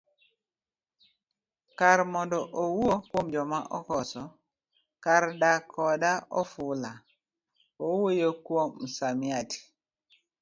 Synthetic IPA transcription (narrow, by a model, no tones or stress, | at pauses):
kaɾmɔndɔʔowokwomd͡ʒɔmaʔɔkɔsɔ | kaɾdakʰɔdaɔfʊla | owojokwomsamiati̥